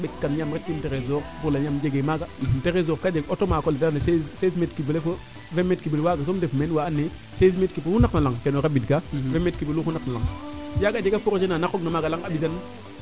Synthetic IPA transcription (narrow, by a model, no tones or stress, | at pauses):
bekːanɲamɾet̚kinteɾezoɾbuɾlaɲamd͡ʒeɡemaɡanteɾez̬oɾkad͡ʒeɡotomaːkolidanesezsezmetkibelefə | vemetkibelwaɡas̬omdefmenwaːnːe | sesmetkipohunaknalaŋkenoɾabidɡavemetkibeluxunaknalaŋjaɡad͡ʒeɡafuɾod͡ʒenanakoɡnamaɡalaŋabis̬an